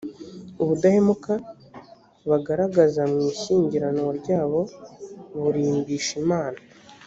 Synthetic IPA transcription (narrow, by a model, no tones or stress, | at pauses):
uβudahemuka | βaɡaɾaɡazamŋiːçiːɲɟiɾanwoɾɟaːβo̞ | βuɾiːmbiːʃimaːna